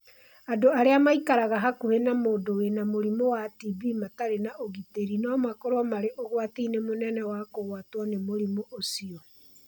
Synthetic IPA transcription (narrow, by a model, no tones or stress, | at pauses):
adoaɾeamaikaɾaɣaɦakohenamoːndowenamoɾimowativimataɾenaʔoɣiteɾinɔmakoɾwamaɾeʔoɣwateinemonɛnɛwakoɣwatwanemoɾimoʔosiɔ